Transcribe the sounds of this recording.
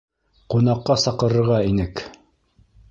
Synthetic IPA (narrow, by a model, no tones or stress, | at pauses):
qunɑqːɑsɑqɤ̆ɾɤ̆ɾʁɑinɘk